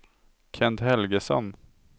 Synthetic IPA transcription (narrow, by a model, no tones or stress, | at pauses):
kʰɛnt̪ɦɛlɡəsɔ̰n